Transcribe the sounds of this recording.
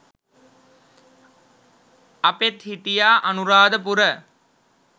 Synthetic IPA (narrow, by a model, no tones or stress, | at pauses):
ɐpet̪hiʈijaːʔɐnuɾaːd̪əp̬uɾə